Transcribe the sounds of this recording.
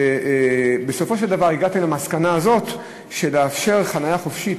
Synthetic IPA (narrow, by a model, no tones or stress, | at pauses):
beso̞fo̞ʃeld̪avaʁiɡat̪emlamaskanaːzo̞t̪ | ʃeleafʃe̞ʁχanajaχo̞fʃit